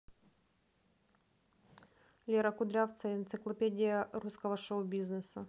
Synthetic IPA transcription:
lʲeɾɐkʊd̪ɾʲaft̪səɪnt̪sɨklˠɐpʲedʲɪjəruskəvɐʂoʊbʲiznɨsɐ

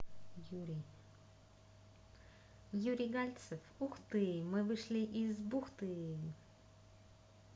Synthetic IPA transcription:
juɾʲiɡalʲt̪sɛfuxt̪ɨmɨvɨʂlʲiʔizbuxt̪ɨe

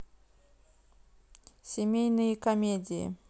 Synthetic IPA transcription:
sʲɪmʲejnɨjəkɐmʲedʲɪjɪ̰

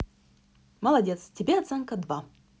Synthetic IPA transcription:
mɐlˠɐdʲet̪stʲɪbʲeɐt̪sɛŋkəd̪va

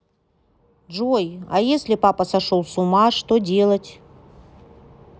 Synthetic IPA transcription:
ʐojɐjesʲlʲɪpapəsɐʂolˠsʊmaʂt̪odʲe̞lˠətʲ

